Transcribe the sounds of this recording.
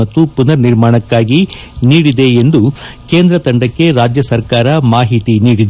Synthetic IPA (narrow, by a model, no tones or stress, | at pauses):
ɐt̪ːupunɐɾniɾmaːɳɐkːaːɡi | niːɽid̪e̞end̪u | ke̞ːnd̪ɾɐt̪ɐɳɖɐkːe̞ɾaːd͡ʒjɐsɐɾkaːɾɐmaːɦit̪iniːɽid̪